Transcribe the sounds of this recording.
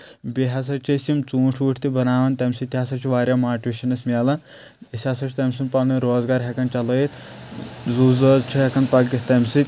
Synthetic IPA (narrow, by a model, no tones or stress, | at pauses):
biɦɐs̬ɐɾt͡ʃʰesimt͡suːnʈʰuːʈʰt̪ibɐnaːʋɐnt̪ɐmʲsit̪ʲiaːsɐɾt͡ʃʰiʋaːɾʲjaːmaːʈʋiʃɐnɐsmʲaːlɐ | isʲasɐɾt͡ʃʰi̥t̪ɐmʲsinpɐnɨnɾoːzɡaːɾɦʲɛkɐnt͡ʃɐlojit̪ | zuzɐːzt͡ʃʰiɦɛkɐnpɐɡɡit̪ɐmʲsit̪ʲ